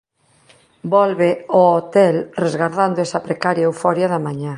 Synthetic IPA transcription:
bɔlβeoot̪ɛlrezɣaɾðand̪oɛsɐpɾekaɾjauwfɔɾjaðɐmaɲa

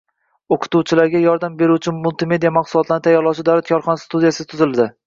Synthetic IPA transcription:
oqʰʊ̥t̪uwt͡ʃʰɪlaɾɡʲajɒɾd̪ambe̞ɾuwt͡ʃʰɪmʊlˠt̪ʰɪme̞d̪ijamɑqsʊlˠɒt̪lanɪt̪ʰajːɒɾlˠɒwʃɪd̪awɾat̪̚kʲʰɒɾχɒnast̪ud̪ijasɪt̪ʰʊzɪld̪ɪ

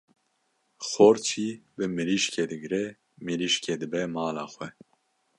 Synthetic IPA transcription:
xoːɾt͡ʃʰiːbɨmɨliʃkʰed̪ɨɡɾɛ | mɨliʃked̪ɨbɛmɑːlɑ̰ːxʷwɛ

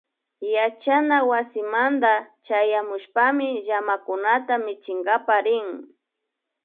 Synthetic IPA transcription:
jat͡ʃanawasɪmand̪a | t͡ʃajamʊʃpamɪʒamakʊnat̪amɪt͡ʃɪŋɡapaɾɪŋ

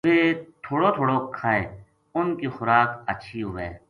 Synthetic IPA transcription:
ʋet̪ʰoːɽot̪ʰoːɽokʰaːeː | ʊnkixʊɾaːkɐʃʰiɦʊʋḛː

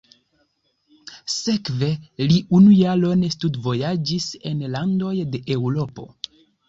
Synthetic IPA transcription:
se̞kve̞liʔunujalo̞nestudvo̞jad͡ʒisenlando̞jde̞ʔewɾo̞po̞̰

